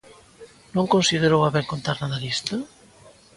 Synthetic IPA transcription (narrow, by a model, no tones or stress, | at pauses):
nõŋkonsiðeɾowaβɛŋkont̪aɾnaðalist̪ɐ